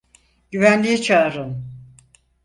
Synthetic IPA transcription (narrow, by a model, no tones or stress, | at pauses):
ɟyvænlʲijit͡ʃʰaːɾɯn